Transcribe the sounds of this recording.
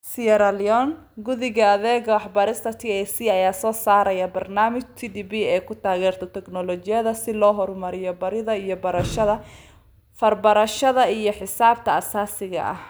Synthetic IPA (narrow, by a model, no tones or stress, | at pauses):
siɐɾɐliɔn | ɡʊðɪɣɐɐðɛːɣɐwɑħbɐɾɪst̪ʰɐt̪ʰiːɛsiːɐjaːsɔːsaːɾɐjɐbɐrnaːmɪt͡ʃt̪ʰid̪iːbiɛːkʰʊt̪ʰaːɣɛːrt̪ʰɔt̪ʰɛɡnɔlɔt͡ʃɪjɐðɐsɪlɔːɦɔrmɐɾɪjɔbɐɾɪðɐijɔbɐɾɐʃɐðɐ | fɐrbɐɾɐʃɐðɐijɔħɪsaːb̚t̪ʰɐɐsaːsɪɣɐ̰ʔɐ̰h